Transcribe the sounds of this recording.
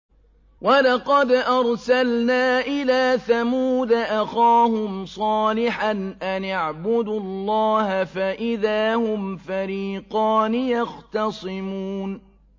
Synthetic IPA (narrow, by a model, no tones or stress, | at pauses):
walɑqɑd̪ʔɑɾˤsalnaːʔɪlaːθamuːd̪aʔaxaːhʊmsˤɑːlɪħanʔanaʕbʊd̪ʊlˤːɑːhafaʔɪðaːhʊmfaɾiːqɑːnɪjɑxt̪ɑsˤɨmuːn